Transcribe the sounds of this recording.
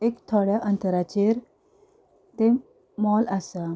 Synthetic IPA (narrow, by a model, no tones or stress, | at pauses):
ekt̪ʰoɽjaʔənt̪əɾat͡ɕeɾ | t̪e | mɔləsa